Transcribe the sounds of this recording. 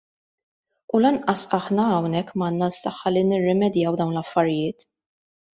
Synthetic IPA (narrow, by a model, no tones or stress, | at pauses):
ulɐnʔɐsɐħnɐːwnɛkːmɐːnːɐsːɐħːɐlinɪrːɛmɛd̪jɐwd̪ɐwnlɐfːɐɾɪjɪːt̪